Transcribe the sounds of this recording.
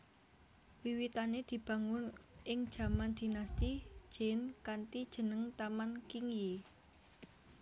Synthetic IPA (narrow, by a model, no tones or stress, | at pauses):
wiwit̪aned̪̥i̤b̥ä̤ŋʊnʔɪŋd̥ʒ̥ä̤mand̪̥i̤nast̪i̥ʒ̥enkant̪id̥ʒ̥ə̤nəŋt̪amankiŋje